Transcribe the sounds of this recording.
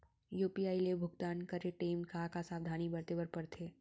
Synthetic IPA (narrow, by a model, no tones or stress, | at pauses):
juːpiaːilebʱʊɡt̪aːnkəɾeʈeːmkakasaːʋd̪ʱaːnibɐɾt̪eːbəɾpɐɾt̪ʰeː